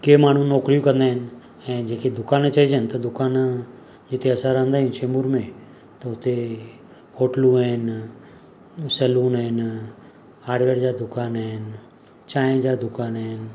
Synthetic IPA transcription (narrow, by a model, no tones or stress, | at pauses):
keːmaːɳ̤ũnɔːkɾijũkə̃nd̪aːɦɪn | ɛ̃ːd͡ʒeːked̪ʊkaːnt͡ʃaid͡ʒənt̪əd̪ʊkaːn | d͡ʒɪt̪ʰeəsaɾãːə̃nd̪aːɦɪnʃeːmʊɾmẽ | t̪əʊt̪e | hoːʈlũɦɛːn | səluːnɛn | aːɽʋeːɾd͡ʒad̪ʊkaːnɦɛn | t͡ʃaːẽd͡ʒad̪ʊkaːnɦɛːn